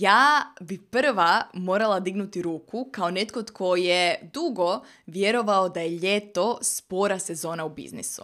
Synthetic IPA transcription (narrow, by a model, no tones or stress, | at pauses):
jaːbipr̩ʋamo̞ːɾalˠad̪iɡnut̪iɾuːkukaone̞t̪kot̪kʰo̞jed̪uɡo̞ | ʋjeɾo̞ʋaod̪ajeʎet̪o̞spo̞ɾase̞zo̞ːnaubḭznḭsṵ